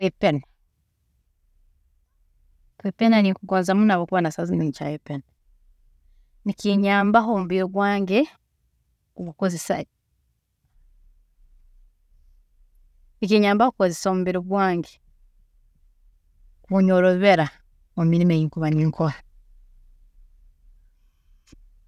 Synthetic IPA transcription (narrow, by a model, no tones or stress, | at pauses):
kepena | kepenanikuɡoːnzamunaβokuβanasaziniɲt͡ʃa̰jepena | nikiɲaːmbaɦomuβiɾoβwaːŋɡe | uβukozesa̰ | nikiɲaːmbahokukozesomuβiɾiβwaːŋɡe | kuɲoɾoβiβeɾa | omiɾimejiŋkuβaniŋkʰoha